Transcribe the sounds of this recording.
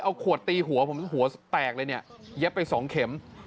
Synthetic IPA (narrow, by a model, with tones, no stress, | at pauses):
ʔa˧wkʰu˨˩ət̪ːiː˧ɦu˨˩˦ɐpʰo˩˦mɦu˨˩˦ɐ˦t̪ɛː˨˩k̚lɤː˧ni˥˩əje˦˥pːa˧jsɔː˩˦ŋkʰe˩˦m